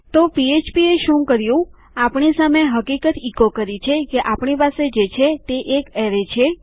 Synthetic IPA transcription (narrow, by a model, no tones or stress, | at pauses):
t̪opiet͡ʃpieʃũkəɾjũ | apɳisameɦəkikət̪ikokəɾit͡ʃʰekeʔapɳipased͡ʒet͡ʃʰet̪eʔːkeɾet͡ʃʰe